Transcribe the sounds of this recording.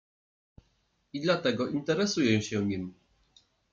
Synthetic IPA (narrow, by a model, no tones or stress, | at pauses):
id̪lat̪ɛɡɔʔint̪ɛɾɛsujɛ̃ɕɛɲim